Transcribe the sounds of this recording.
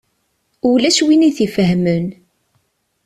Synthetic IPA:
ulæʃwiniθifəɦmən

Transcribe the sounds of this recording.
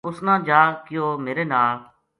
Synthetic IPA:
ʊsnãːd͡ʒaːkɪjoːmeːɾeːnaːl

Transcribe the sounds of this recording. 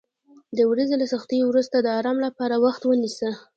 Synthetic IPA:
d̪əwɾazelasaxt̪əjowɾust̪ad̪əɑɾɑmlapɑɾawaxt̪wənisə

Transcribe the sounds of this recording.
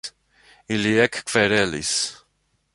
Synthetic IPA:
iliɛkʰkʰvɛɾɛlḭs

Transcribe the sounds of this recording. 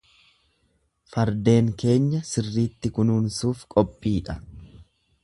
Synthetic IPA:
fɐɾd̪e̞ːŋke̞ːɲːɐsɪrːiːt̪ːɪkʊnuːnsuːfkʼɔpʼːiːᶑɐ

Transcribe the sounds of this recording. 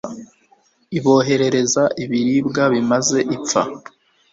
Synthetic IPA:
iβo̞ːɦe̞ɾe̞ɾe̞zaʔiβiɾibɡaβimaze̞ʔip͡fa̰

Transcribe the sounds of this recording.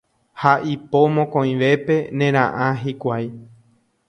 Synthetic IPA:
haʔipomõkõĩʋe̞pe̞nẽ̞ɾ̃ã̰ʔãɦikʷaj

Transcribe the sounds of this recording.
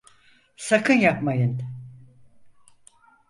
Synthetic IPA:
sakʰɯnjapmajɯn

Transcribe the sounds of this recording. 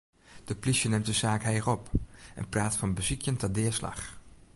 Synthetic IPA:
d̥əplisjənɪmt̚dəzaːkɦɛjrɔpʔɛ̰npraːtfɑnbəzikjəntadɪːɹslɑ̰χ

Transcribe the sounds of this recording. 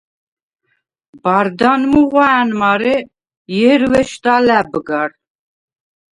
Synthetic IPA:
baɾd̪anmuʁʷaanmaɾi | jɛɾvɛʃt̪alæbɨɡar

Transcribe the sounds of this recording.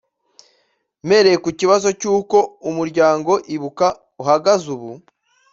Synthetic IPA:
me̞ɾejekuciβazo̞cuːko̞umuɾɟaːŋɡo̞ʔiβuka | uɦaɡazuβu

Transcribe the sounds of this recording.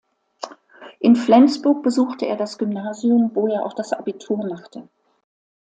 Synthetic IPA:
ʔɪnflɛnt͡sb̥ʊɐk̚b̥əzuːxtəʔḛːɐɾasɡ̥ʏmnaːziʊmvoːeːɐʔaʊxd̥asʔa̰bitʰuːɐmaχtʰə

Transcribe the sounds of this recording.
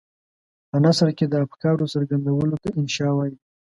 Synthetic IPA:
pənasɾked̪əafkɑɾosəɾɡand̪awəlot̪aɪnʃɑwɑji

